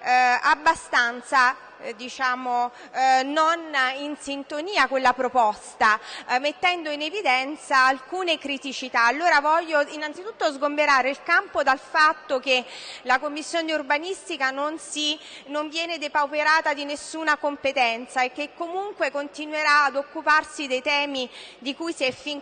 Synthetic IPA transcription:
abːast̪ant̪sa | d̪it͡ʃaːmo | nːoninsint̪oniːakelːapɾopɔst̪amet̪ːɛnd̪oinevid̪ɛnt̪saːlkuːnekɾit̪it͡ʃit̪aːlːoːɾavɔʎːoinant̪sit̪ut̪ːozɡombeɾaːɾeilkampod̪alfat̪ːokelakomːisːjoːneurbanist̪ikanonsinoɱvjɛːned̪epawpeɾaːt̪ad̪inesːuːnakompet̪ɛnt̪saekːekːomuŋkwekont̪inweɾaːd̪okːuparsid̪ejt̪ɛːmid̪ikujsiɛfiŋ

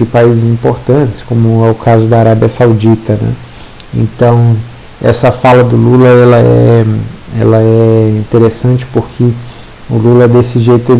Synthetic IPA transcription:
d͡ʒɪpaizɪzĩpoɾt̪ɐ̃t̪ɪ̥skõmʊɛʊkazʊd̪ɐaɾabiɐsawd͡ʒit̪ɐnɛ̰ | ḛ̃nt̪ɐ̃w̃ | ɛ̰sɐfalɐd̪ʊlulɐɛlɐɛ̰ɛɛ̰lɐɛĩnt̪eɾesɐ̃t͡ʃɪ̥poɾkʰɪ | ʊlulɐd̪esɪʒejt̪ʊt̪e

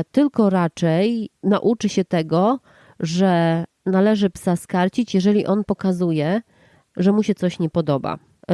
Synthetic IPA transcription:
t̪ɘlkɔɾat͡ʂɛjnaʔut͡ʂɘɕɛt̪ɛɡɔ | ʐɛ | nalɛʐɘpsaskaɾt͡ɕit͡ɕjɛʐɛlʲiʔɔnpɔkazujɛ | ʐɛmuɕɛt̪sɔɕɲɛpɔd̪ɔba̰

